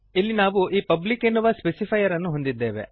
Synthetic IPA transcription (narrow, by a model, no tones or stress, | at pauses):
ilːinaːʋuʔiːpɐblikenːuʋɐspesipʰɐjɐɾɐnːuɦo̞nd̪id̪ːeːʋe̞̰